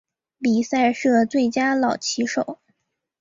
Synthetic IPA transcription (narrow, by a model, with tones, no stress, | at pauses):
pi˨˩sa˥˧ɪʂɤ˥˩t͡swe˥˩ɪt͡ɕja˥lɑ˨˩ʊt͡ɕʰi˧˥ʂo˨˩˦ʊ